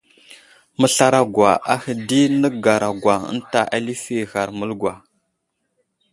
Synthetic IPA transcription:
mə˨ɬa˦ɾa˨ɡwʷa̰˨ʔa˦hə˨di˦nə˦ɡa˨ɾa˨ɡwa˨ə̰˦nta˨ʔa˦li˦fi˦ɣa˨ɾmə˦lɡwa˨

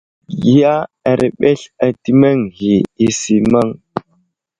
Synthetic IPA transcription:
ji˨˦ja˦a˨ɾʔe˨ɓe˦ɬa˨ti˦ma˦ŋhi˨i˦si˨ma˦ŋ

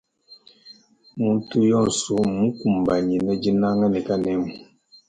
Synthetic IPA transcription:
mu˦n˦tu˦jɔ˦˨n˨su˨˦mũ˦ku˨m˨ba˨ɲi˨nə˦d͡ʒi˦na˦ŋa˦ni˨ka˦nɛ˨˦mu˨

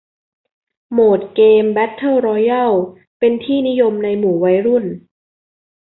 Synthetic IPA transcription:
moː˨˩t̪̚keː˧mbɛ˦˥t̪ʰːa˥˩wɾɔː˧ja˥˩w | pe˧nt̪ʰiː˥˩ni˦˥jo˧mna˧jmuː˩wa˦˥jɾu˥˩n

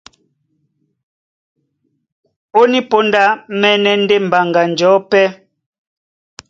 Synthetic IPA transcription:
o˦ni˦po˦nda˦mɛ˦nɛ˦n̩˦de˦m̩˨ba˨ŋɡa˨nd͡ʒɔ˨˦pɛ˦

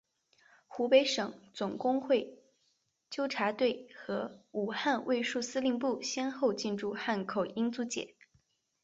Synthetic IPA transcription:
xu˧˥pe˧˥ɪʂɤ˨˩˦ŋt͡sʊ˨˩ŋkʊ˥ŋxwe˥˩ɪ | t͡ɕjo˥ʊʈ͡ʂʰa˧˥t̪we˥˩ɪxɤ˧˥u˨˩xa˥˧nwʔe˥˧ɪʂu˥˩sɹ̩˥li˥˧npu˥˩ɕjɛ˥nxo˥˧ʊt͡ɕi˥˧nʈ͡ʂu˥˧xa˥˩nkʰo˨˩ʊi˥ŋt͡su˧˥t͡ɕjɛ̰˨˩˦

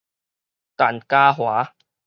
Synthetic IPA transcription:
t̪a˨˩nkaː˦ɦwaː˨˦

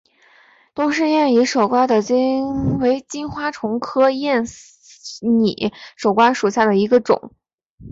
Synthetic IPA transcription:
t̪o˥ʂ̬ɻ̩˥˧jɛ˥˩ni˧˥ʂo˨˩ʊkwa˥nd̪ə˨t͡ɕi˥we˧˥ɪt͡ɕi˥nxwa˥ʈ͡ʂʰʊ˧˥ŋkʰɤ˥jɛ˥˩n | nḭ˨˩˦ʂo˨˩ʊkwa˥nʂu˨˩ɕja˥˩d̪ə˩i˧˥ɡə˧ʈ͡ʂʊ̰˨˩˦ŋ

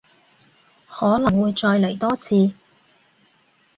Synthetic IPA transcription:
hɔː˨˥lɐ˨˩ŋwuː˨˧jt͡ʃɔː˧jle˨˩jt̪ɔː˥t͡sʰiː˧

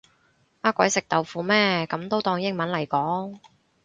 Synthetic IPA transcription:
aː˥kʷɔ˨˥jsɪ˨k̚t̪ɐ˨wfuː˧mɛː˥kɐ˨˥mt̪o˥wt̪ɔː˧ŋjɪ˥ŋmɐ˨˥nlɐ˨˩jkɔː˨˥ŋ

